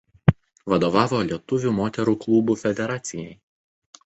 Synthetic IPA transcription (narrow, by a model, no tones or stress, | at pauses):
ʋɐd̪oːʋɑːʋoːlʲiɛt̪ʊʋʲuˑːmoːt̪ʲɛɾuːklˠuːbuːfʲɛd̪ʲɛɾɑːt̪sʲɪjɛɪ